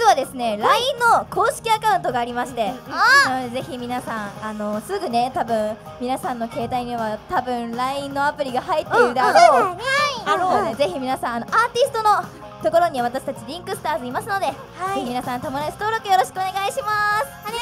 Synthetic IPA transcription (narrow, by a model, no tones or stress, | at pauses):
it͡sɨβad̪e̞sɨne̞ɾaĩnːo̞ko̞ːɕi̥kʲiakaɯ̃nt̪o̞ɡaːɾʲimaɕi̥t̪e̞od̪eze̞çimʲinasãŋ̃ano̞sɨɡɯ̟ne̞t̪abɯ̟̃ɴ | mʲinasãnːo̞ke̞ːt̪aiɲiβat̪abɯ̟̃ɴ̃ɾaĩnːo̞apɯ̟ɾʲiɡaɦait̪eɾɯd̪eanaɾoːoneze̞çimʲinasãɰ̃ano̞ʔaːt̪ʲisɨ̥t̪o̞no̞ | t̪o̞ko̞ɾo̞ɲ̟iaβ̞at̪aɕi̥t̪at͡ɕiɾʲĩŋkɯ̟sɨ̥t̪aːzɨimasɨno̞d̪e̞ | mʲinasãnt̪omoasi̥t̪o̞ːɾo̞kɯjoɾo̞ɕi̥kɯo̞ne̞ɡaiɕimasɨ̥